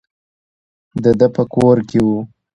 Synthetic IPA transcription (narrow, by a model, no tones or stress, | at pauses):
d̪əd̪əpəkoɾkewu